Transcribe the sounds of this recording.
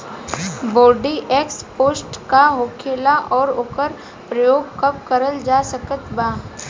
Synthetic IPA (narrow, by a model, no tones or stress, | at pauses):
boːɾɖiʔeːkspoːsʈkaɦoːkʰeːlaʔɔːɾoːkəɾ | pɾɐjoːɡ̚kɐp̚kəɾəld͡ʒaːsəkət̪baː